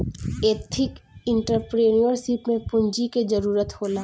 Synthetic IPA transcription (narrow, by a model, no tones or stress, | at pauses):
eːt̪ʰɪkɪ̃ɳʈəɾpɾeːnijəɾsipmẽpʊɲd͡ʒiked͡ʒəɾuːɾət̪hoːlaː